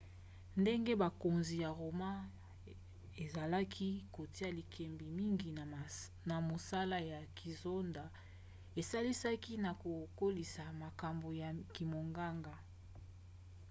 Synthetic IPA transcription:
nde˦ŋɡe˦ba˨ko˨nzi˨ja˨ʁo˨ma˦ | e˨za˨la˦kʰi˦ko˨ti˦a˨li˨kʰɛ˨mbi˨mi˦ŋɡi˨ | na˨mo˨sa˦la˦ja˨ki˨zo˦nda˨ | e˨sa˦li˦sa˦ki˦na˨ko˨ko˦li˨sa˨ma˨ka˨mbo˨ja˨ki˨mo˨ŋɡa˦ŋɡa˨

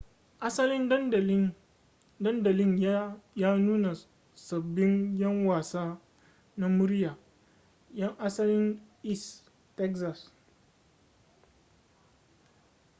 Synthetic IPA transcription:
ʔa˦sɐ˦lɪ˦n˦˨˦ | dɐ˦ndɐ˨lɪ˦ɲ˦jaː˦nuː˦na˨ | sɐ˨bːɪ˦ŋjɐ˦ŋwaː˨saː˦ | na˦mʊ˦ɾjaː˨ | jɐ˦ŋʔa˦sɐ˦lɪ˦nʔɪ˦s | tɛ˦ksa˨s

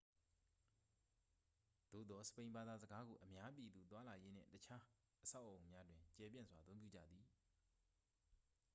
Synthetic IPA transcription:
d̪̥o̰˦˨d̪ɔ˨sə̥pẽ˨ɪ̃mba˨d̪a˨zə˨ɡa˦ɡo˨ʔəmja˦p̬i˨d̪u˨t̪wa˦la˨je˦n̥ɪ̰̃˦˨tət͡ɕʰa˦ | ʔəsʰa˦ʊʔo˨ʊ̃mja˦dwɪ̃˨ɲt͡ɕɛ˨pjɪ̰̃˦˨zwa˨ət̪θõ˦ʊ̃pjṵ˦˨d͡ʑä̰˦˨d̪ði˨

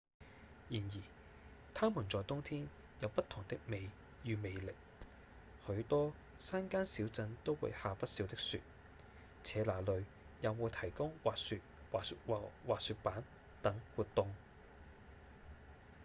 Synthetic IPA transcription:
jiː˨˩njiː˨˩ | t̪ʰaː˥muː˨˩nt͡sɔː˨jt̪ʊ˥ŋt̪ʰiː˥n | jɐ˨˧wpɐ˥t̪ʰʊ˨˩ŋt̪ɪ˥k̚me˨˧j | jyː˨˧me˨˧jlɪ˨k̚ | hɵ˨˧˥ɥt̪ɔː˥ | saː˥nkaː˥nsiː˨˥wt͡sɐ˨˥nt̪o˥wwṵ˨˧jhaː˨˧pɐ˥t̚si˨˧wt̪ɪ˥k̚sy̰ː˨˧t̚ | t͡sʰɛː˨˧laː˨˩lɵ˨˧ɥ | jɐ˨˧wmuː˨˧t̪ʰɐ˨˩jkʊ˥ŋwaː˨sy˧t̚waː˨˧wa˨˧waː˨syː˧t̚paː˨˥n | t̪ɐ˨˥ŋwuː˨˧t̚t̪ʊ˨˧ŋ

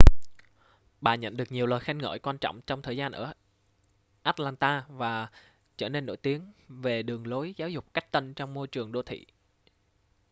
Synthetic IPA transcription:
ɓaː˨˩ɲə̰˧˨nɗɨ˨˩ək̚ɲi˨˩əwləː˨˩jxa˧jŋŋə̰ː˧˩jkwaː˧nt͡ɕɔ̰˧˨wŋ͡mt͡ɕɔ˧wŋ͡mt̪ʰəː˨˩jzaː˧nʔəː˧˩ | ʔaː˦˥t̚laː˧nt̪aː˧vaː˨˩ | t͡ɕəː˧˩ne˧nːo̰˧˥jt̪i˨˦əŋve˨˩ɗɨ˨˩əŋlo˨˦jzaː˨˦wzʊ˨˩k͡p̚ka˦˥jk̟̚t̪ə˧nt͡ɕɔ˧wŋ͡mmo˧jt͡ɕɨ˨˩əŋɗo˧˦t̪ʰḭ˧˨

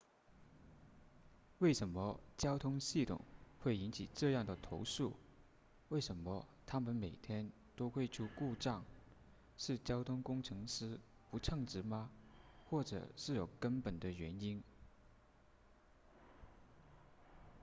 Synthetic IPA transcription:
we˥˩ɪʂə˧˥nmə˧t͡ɕjɑ˥ʊt̪ʰʊ˥ŋɕi˥˩t̪ʰʊ̰˨˩˦ŋxwe˥˩ɪi˧˥nt͡ɕʰi˨˩ʈ͡ʂɤ˥˧jɑ˥˩ŋd̪ə˩t̪ʰo˧˥ʊʂu˥˩ | we˥˩ɪʂə˧˥nmə˧t̪ʰa˥mə˨nme˨˩ɪt̪ʰjɛ˥n | t̪o˥ʊxwe˥˩ɪʈ͡ʂʰu˥ku˥˧ʈ͡ʂɑ˥˩ŋ | ʂɻ̩˥˩t͡ɕjɑ˥ʊt̪ʰʊ˥ŋkʊ˥ŋʈ͡ʂʰɤ˧˥ŋʂɻ̩˥ | pu˧˥ʈ͡ʂʰɤ˥˧ŋʈ͡ʂɻ̩˧˥mɐ˧xwɔ˥˩ʈ͡ʂɤ̰˨˩˦ʂɻ̩˥˩jo˨˩ʊkə˥npə˨˩nd̪ə˦ɥɛ˧˥ni˥n

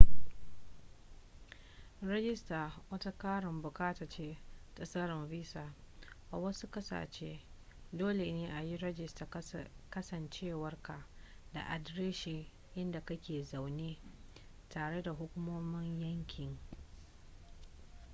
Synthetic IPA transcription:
ɾɛ˦ɡʲɪ˦staː˨wɐ˦ta˦kaː˦ɽɪ˨mbʊ˨kaː˦ta˨t͡ʃeː˦tʼɐ˦sɐ˦ɾɪ˨mviː˦saː˨ | ʔa˨wɐ˦su˦kɐ˦sa̰ː˨t͡ʃḛː˦ | doː˦le˨neː˦ʔa˨ji˦ɾɛ˦d͡ʒɪ˦˨staː˨kɐ˦sɐ˨nt͡ʃeː˦˨wɐ˦rka˨da̰˨ʔa˨dɾeː˦ʃiː˨ | ʔɪ˦nda˨kɐ˦kʲeː˨za˨wneː˦ | taː˨ɽe˦da˨ɦʊ˦kʷʊ˦moː˦mɪ˦ɲjɐ˦ŋkʲɪ˨ŋ

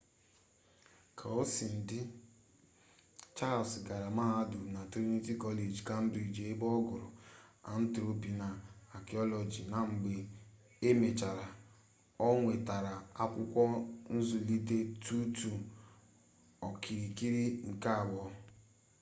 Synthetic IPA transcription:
kʰa˨o˦si˨n̩˨dɪ˦ | t͡ʃa˦˨sɡa˨ɾa˨ma˦a˦dʊ˨na˨ti˦ni˦ti˦kɔ˦le˨d͡ʒka˦m̩˦bɾi˨d͡ʒe˦bɔ˦ɡʊ˨ɾʊ̰˨a˨n̩˦tɾo˦pi˨na˨a˨ki˨ɔ˦lɔ˨d͡ʒi˨na˨ŋ͡m̩˨ɡ͡be˨ | e˦me˨t͡ʃa˨ɾa˨ | ɔ˦ŋʷe˨ta˨ɾa˨a˦kʷʊ˦kʷɔ˦n̩˦zʊ˨li˦de˦tu˦tu˨ | ɔ˨ki˨ɾi˨ki˦ɾi˦ŋ̩˨ka˦a˨wɔ˦

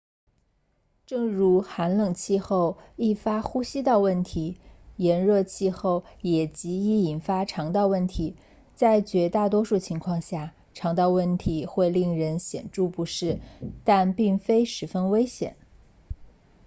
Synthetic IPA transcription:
ʈ͡ʂɤ˥˩ŋɻu˧˥xa˧˥nlɤ˨˩ŋt͡ɕʰi˥˧xo˥˧ʊi˥˩fa˥xu˥ɕi˥t̪ɑ˥˧ʊwə˥˩nt̪ʰi˧˥jɛ˧˥nɻɤ˥˧t͡ɕʰi˥˧xo˥˩ʊjɛ˨˩t͡ɕi˧˥i˧˥i˨˩nfa˥ʈ͡ʂʰɑ˧˥ŋt̪ɑ˥˧ʊwə˥˩nt̪ʰi˧˥ | t͡sa˥˩ɪt͡ɕɥɛ˧˥t̪a˥˩t̪wɔ˥ʂu˥˩t͡ɕʰi˧˥ŋkʰwɑ˥˧ŋɕja˥˩ | ʈ͡ʂʰɑ˧˥ŋt̪ɑ˥˧ʊwə˥˩nt̪ʰi˧˥xwe˥˧ɪli˥˩ŋɻə˧˥nɕjɛ˨˩nʈ͡ʂu˥˩pu˧˥ʂɻ̩˥˩t̪a˥˧npi˥˩ŋfe˥ɪʂɻ̩˧˥fə˥nwe˥ɪɕjɛ̰˨˩˦n

